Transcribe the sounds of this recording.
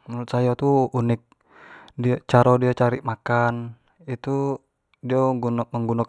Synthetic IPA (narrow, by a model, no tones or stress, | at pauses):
muɾut̪̚sajɔt̪uːnɪk̚ | dit͡ʃaɾɔdiat͡ʃaɾiʔmakan | it̪u | diaɡunməŋɡunak